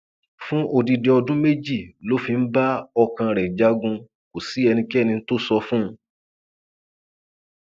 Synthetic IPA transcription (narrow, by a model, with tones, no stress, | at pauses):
fũ˦ʔo˧di˧de˧ɔ˧dũ˦me˦d͡ʒi˦˨lo˨˦fi˧n̩˦ba˦ɔ˧kã˧ɾɛ˨d͡ʒa˦ɡũ˧ | ko˨si˨˦ɛ˧nĩ˧ki˦ɛ˦nĩ˧n̩˦to˦sɔ˧fũ˦˧